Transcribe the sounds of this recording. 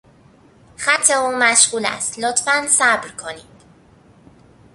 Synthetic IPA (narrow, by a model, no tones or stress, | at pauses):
χæt̪ʰːeuːmæʃɢuːlæ̰st̪lot̪ʰfænsæbɾkʰoniːd̪̥